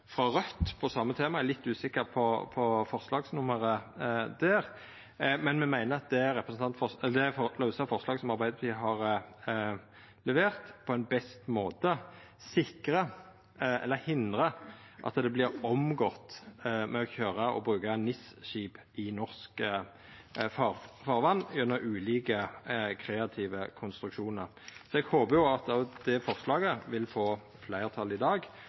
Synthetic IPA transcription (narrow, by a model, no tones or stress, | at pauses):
fʁɑʁœt̪ːpʰɔsɑmːət̪ʰeːmɑæɾlɪt̪ːʉːsɪkːəʁpʰɔpʰɔfɔʁslɑːɡsnʊməɾəd̪æːɾ | mɛnmɛmæɪnəɾɑt̪̚d̪ɛæɾɛpɾəsn̩t̪ɑnt̪fɔd̪ɛfɔlɑʉsɑfɔɾʁslɑːɡsɔmɑɾbæɪd̪ət̪ʰiːɦɑːʁ | lɛʋeːʁt̪pʰɔɛnbɛst̪moːt̪ə | sɪkɾə | ɛ̰lːəhɪnd̪ɾə | ʔɑ̰t̪d̪ɛblɪʁɔmɡɔt̪mɛɔçøːʁəʔɔ̰bʁʉːkɑnɪsʃiːpʔɪnɔʁskə | fɑfɑːʁʋɑnːjʉnːəɾʉːliːkəkʰɾɛːɑt̪ʰiːʋəkʰʊnst̪ɾʉkʃuːnəʁ | sɔɛɡhoːbəjʊɑt̪ɔd̪̥ɛfɔʁslɑːɡəʋɪlfoː | flæɪʁt̪ʰɑlɪd̪ɑːɡ